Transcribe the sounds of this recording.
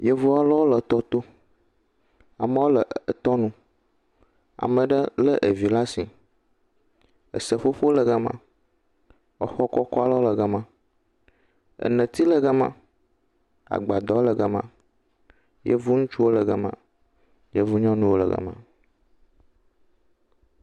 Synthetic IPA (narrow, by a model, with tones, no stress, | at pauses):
je˦vu˦a˦lə˦wo˦lə˨t̪ɔ˦t̪o˦ | a˨mə̃˦wo˦lə˨ə˨t̪ɔ˦nũ˦ | a̰˨mə̃˨ɖə˦lə˦ʔə˨vi˨la˦si˨ | ə̰˨sə˨ɸo˦ɸo˦o˦lə˨ɡə˦mã̰˦ | ə˦xɔ˦kɔ˦kɔ˦a˦lə˦o˦lə˨ɡə˦mã˨ | ə̰˨nə̃˨t̪i˦lə˨ɡə˦mã̰˦ | a̰˨ɡ͡ba˨d̪ɔ˨˦o˦lə˨ɡə˦mã̰˨ | je˦vu˦ŋũ˦t͡ʃu˦wo˦lə˨ɡə˦mã̰˨ | je˦vu˦ɲɔ̃˦nũ˦wo˦lə̰˨ɡə̰˦mã̰˨